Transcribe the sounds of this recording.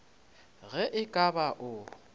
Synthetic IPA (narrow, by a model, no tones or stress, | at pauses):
ɣɛʔɪkʼabaʔʊ